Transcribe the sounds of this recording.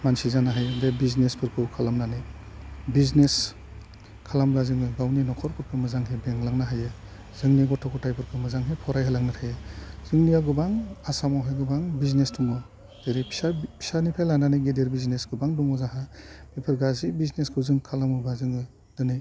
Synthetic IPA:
mansizanaɦajɯdebiznespʰɯɾkʰɯkʰalamnanɯ | biznes | kʰalamɾazɯŋɯɡawninɔkʰɔɾpʰɯɾkʰɯmɯzaŋɦebeŋlaŋnaɦajɯ | z̥ɯŋniɡɔtʰɔkʰɔtajpʰɯɾkʰɯmɯzaŋɦepʰɔɾajɦalaŋnatʰajɯz̥ɯŋnijaɡɯbaŋasamawɦajɡɯbaŋbiznestuŋɔ | deɾipʰi̥apʰi̥sanipʰajlananiɡedeɾbiznesɡɯbaŋduŋɔzaɦabepʰɯɾɡazibizneskʰɯwzɯŋkʰalamɯbazɯŋɯ | dɯni

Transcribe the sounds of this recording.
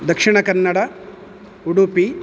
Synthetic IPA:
d̪ɐkʂiɳɐkɐnːɐɽɐ | uɽupi

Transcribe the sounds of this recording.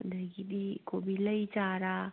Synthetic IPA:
d̪əɡid̪ikobiləit͡ʃaːɾa

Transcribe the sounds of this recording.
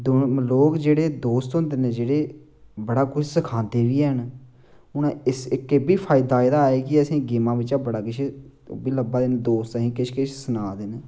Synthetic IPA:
d̪oloːkd͡ʒeːɽeːd̪oːst̪ɦʊ̃nd̪eːnẽːd͡ʒeːɽeː | bəɽaːkʊt͡ʃʰsəkʰãːnd̪eːʋiːən | ʊnãɪsɪkːebiːpʰaːɪd̪aːɪd̪aːeːkɪəsĩːɡiːmãːʋɪt͡ʃaːbəɽaːkɪt͡ʃʰbiːləbaːd̪end̪oːst̪sĩːkɪʃʰkɪʃʰsənaːd̪enː

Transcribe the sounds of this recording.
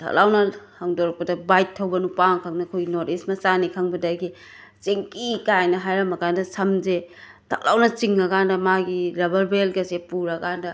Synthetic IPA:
tʰɐ̰k̚lawnɐhaŋdoɾɐk̚pɐdɐbajtʰːɐwbɐnupaŋkʰaŋnɐkʰojɡinoɾismɐsanikʰaŋbɐdɐɡi | t͡ʃeŋkikajnɐɦajɾɐmɐkandɐsɐmze | tʰɐ̰k̚la̰wnɐt͡ʃiŋɐkandɐmaɡiɾabɐɾbelɡɐsepuɾɐkandɐ

